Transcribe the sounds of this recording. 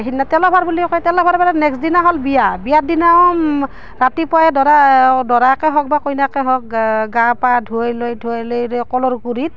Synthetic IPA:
ɦinːatɛlɔbʱaɹbulikɔjtɛlɔbʱaɾbaɾɛnɛksdinaɦɔlbijabijadina | ɹatipɔjɛdɔadɔɹakɛɦɔk̚bakojnakɛɦɔk̚ɡapadʱuajlojdʱuajlojɾkɔlɔɹkuɾit̚

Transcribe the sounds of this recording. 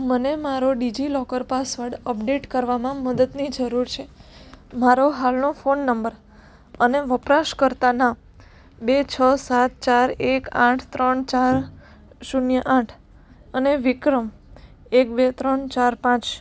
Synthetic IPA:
mənemaɾoɖid͡ʒilɔkəɾpasʋəɾɽəpɖeʈkəɾʋamãməd̪əd̪nid͡ʒəɾuɾt͡ʃʰe | maɾoɦalnofonːəmbəɾ | əneʋəpɾaʃkəɾt̪ana | bet͡ʃʰəsat̪̚t͡ʃaɾekã̰ʈʰt̪ɾəɳt͡ʃaɾ | ʃunjəʔãʈʰ | əneʋɪkɾəm | ekbet̪ɾəɳt͡ʃaɾpãt͡ʃ

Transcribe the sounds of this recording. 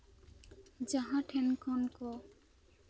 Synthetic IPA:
d͡ʒaɦãʈʰɛnkʰɔnkɔ

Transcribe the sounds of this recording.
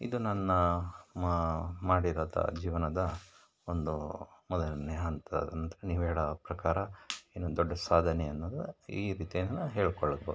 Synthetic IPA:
ḭd̪unɐnːu | maːɽiɾaːd̪ɐ̰d͡ʒiːʋɐnɐd̪ɐ | ond̪umɔd̪ɐlɐnːɛɐnt̪ɐ̰d̪ɐnɐnt̪ɐɾeniːʋɛːɭɐpɾɐkaːɾɐenod̪ɔɖːɐsaːd̪ʱɐneɐnːɐd̪iːɾiːt̪ijɐnnɐɦeːɭkɔɭːɐboːd̪u

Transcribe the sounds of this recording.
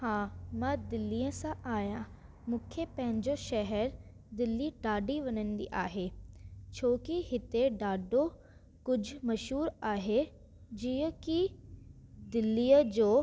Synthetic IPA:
hãːmãːd̪ɪlːiːə̃sãʔaːjã | mũːkʰepɐ̃ɦɪ̃ɲd͡ʑoʃɛɦɛɾ | d̪ɪlːiɖaːɖiʋɐnə̃nd̪ḭʔaːɦet͡ɕʰoːkiɦɪt̪eɖaːɖo | kʊd͡ʑʱʊmɐʃɦuːɾaːɦe | d͡ʑiːə̃ki | d̪ɪlːiːjəd͡ʑoː

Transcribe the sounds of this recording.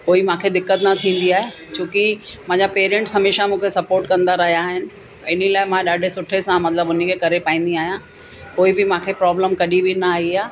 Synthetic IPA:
koːimãːkʰed̪ɪkːət̪nɐt̪ʰĩːn̆d̪iaːɦe | t͡ɕũːkɪmɐ̃ːɲd͡ʑapeːɾẽːɳʈsɦɐmeːʃamũːkʰesɐpoːɾʈkɐ̃nd̪aɾɐɦijaːɦɪnɪ̆ | ɪnəlaːɪmãɗaːɖʱesʊʈʰesãmɐt̪ləbʊn̤ikʰekɐɾepaːĩːn̆d̪iaːɦijã | koːibɪmãːkʰepɾɔːbləmkɐɗibɪnɐaːɦiaː

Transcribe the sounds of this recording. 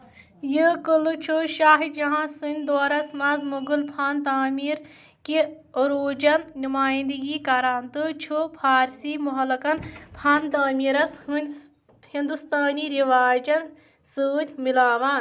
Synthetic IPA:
jɨkɨlut͡ʃʰuʃaːɦid̪d͡ʒɐɦãːsɨnʲd̪oːɾɐsmɐzmuɡulpʰaːnt̪aːmiːɾ | ki | ɾoːd͡ʒɐnnumaːjĩnd̪ɨɡiːkɐɾaːnt̪ɨt͡ʃʰupʰaːɾsiːmuɦɐlkɐnpʰaːnt̪aːmiːɾɐsunʲ | hĩnd̪ust̪aːniːɾiʋaːd͡ʒɐn | sɨːt̪ʲʰmilaːʋaːn

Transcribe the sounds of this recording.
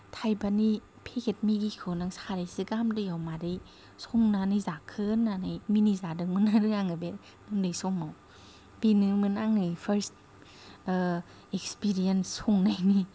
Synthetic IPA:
tʰajbani | pʰekʰet̚miɡikʰɯwnaŋsaɾijsɯɡamdɯjawmaɾi | suŋnanizakʰɯnːanɯjminizadɯŋmɯnaɾɯaŋɯbe | nɯŋdɯjsɔmaw | b̥inɯmɯnaŋnɯjpʰaɾst | ekspiɾijansːuŋnajni

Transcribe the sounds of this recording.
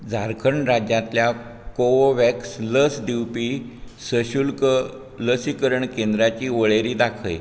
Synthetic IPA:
d͡zʱaɾkʰəɳɾad͡ʑjat̪ljakoʋoʋɛksləsd̪iwpiːsəɕulkə | ləsikəɾəɳkend̪ɾat͡ɕiːʋəɭeɾiːd̪akʰəj

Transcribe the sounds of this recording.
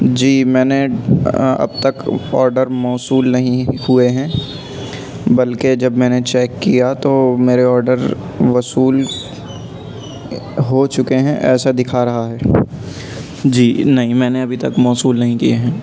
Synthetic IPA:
d͡ʒiːmɛ̃ːne | ɐ̰b̚t̪ɐkɔːɾɖəɾmɔːsuːlnɐɦĩhueɦɛ̃ː | bɐlked͡ʒɐbmɛ̃ːnet͡ʃɛːkːijat̪omeːɾeɔːɾɖəɾ | ʋɐsuːl | ɦot͡ʃʊkeɦɛ̃ʔɛ̰ːsad̪ɪkʰaɾɐɦaɦɛː | d͡ʒiːnɐɦĩmɛ̃ːneɐbʱit̪ɐkmɔːsuːlnɐɦĩkieɦɛ̃ː

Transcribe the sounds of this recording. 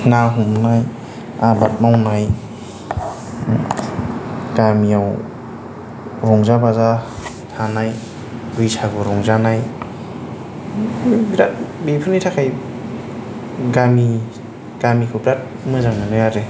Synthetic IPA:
ŋaɦumnaj | abat̚mawnaj | ɡ̥amiaw | ɾɔŋzabaza | tʰanaj | bɯjsʰaɡɯɾɔŋzanaj | bɾat̚bipʰɯnitʰakʰaj | ɡami | ɡ̥amikʰɯbɾat̚mɯzaŋnanɔjaɾe

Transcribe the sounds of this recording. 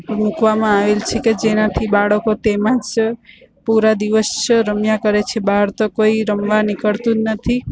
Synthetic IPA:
mukʋamãaʋelt͡ʃʰeked͡ʒenat̪ʰibaɭəkot̪emãt͡ʃ | puɾad̪iʋəsɾəmjakəɾet͡ʃʰebaɦɾt̪okoiɾəmʋanikəɭt̪ũd͡ʒnət̪ʰi

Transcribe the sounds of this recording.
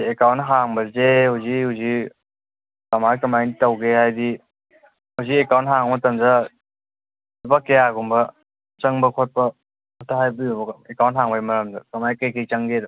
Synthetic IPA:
ekawntɦaŋbɐzehuwzihuwzi | kamajkɐmajnitawɡehajdi | huziekawnt̚ɦaŋmɐtɐmza | bakejaɡumbɐ | t͡ʃɐŋbɐkʰot̚pɐ | kʰotːaɦajbɯjubɐekawnt̚ɦaŋbaimɐɾɐmdakɐmajkajkejt͡ʃaŋɡedɔ

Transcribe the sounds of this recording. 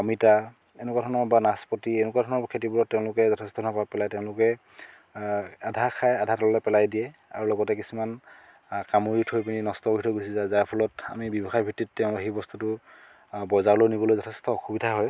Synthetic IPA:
ɔmita | enɛkwadʱɔnɔbanaspɔtienʊkwadʱɔnɔkʰetibulɔtːɛʊ̃lʊkɛzɔtʰestɔɔnɔkɔapɛlajtɛʊ̃lʊkɛ | adʱakʰajadʱatɔllɔpɛlajdijɛa̰ɹulɔɡɔtɛkisuman | kamoɹitʰhojpininɔstɔkɹitʰɔɡojsizazaɹpʰɔlɔta̰mibɔbɔxajbʱitːit̚tɛʊ̃ɦebɔstutʊ | bɔzaɹlojnibɔlojzɔtʰestɔxubidʱaɦɔj

